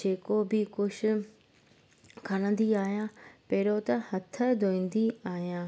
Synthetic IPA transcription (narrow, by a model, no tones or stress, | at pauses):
d͡ʒeːkobɪkʊʃ | kʰɐɽ̃ə̃nd̪iaːijãːpeːɾot̪ɐhɐt̪ʰəd̪oːĩːnd̪iaːɦjãː